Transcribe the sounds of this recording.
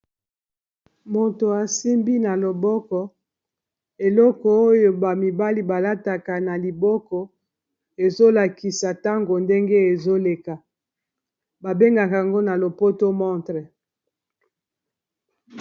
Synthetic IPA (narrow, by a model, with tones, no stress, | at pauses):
mo˨to˨a˨si˦mbi˦na˨lo˨bɔ˦kɔ˦ | e˨lɔ˦kɔ˨o˦jo˦ba˨mi˨ba˦li˦ba˨la˦ta˨ka˨na˨li˨bɔ˦kɔ˦ | e˨zo˦la˨ki˨sa˨ta˦ŋɡo˨nde˦ŋɡe˦e˨zo˦le˨ka˨ | ba˨be˦ŋɡa˨ka˨a˨ŋɡo˦na˨lo˨po˦to˦mɔ˦tʁɛ˨